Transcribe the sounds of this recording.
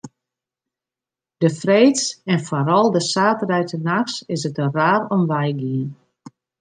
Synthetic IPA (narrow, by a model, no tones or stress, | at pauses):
d̥əfreːtsɛnfoɾɔlˠdəsaːtərɛjtənaxsɪsətəraːɾɔmʋɛjɡiən